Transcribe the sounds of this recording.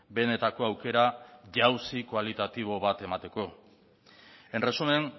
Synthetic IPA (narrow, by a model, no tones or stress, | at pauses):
be̞ne̞t̪ako̞awke̞ɾaʝawsikwalit̪at̪iβ̞o̞βat̪e̞mat̪e̞ko̞ | e̞nresumen